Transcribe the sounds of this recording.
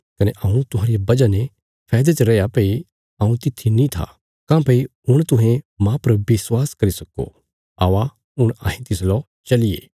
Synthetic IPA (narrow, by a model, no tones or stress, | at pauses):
kɐneʔɐːũt̪ʊɦãːɾiabɐd͡ʒanẽ | pʰɛːd̪et͡ʃɾɛːjapɐi | ɐːũt̪ɪt̪ʰːinĩt̪ʰa̰ | kãːpɐiʊɽ̃t̪ʊɦẽmãpɐɾbɪswaːskɐɾisɐko̰ | aːʋa | ʊɽ̃ã̰ːɦĩt̪ɪslɔ | t͡ʃɐliḛː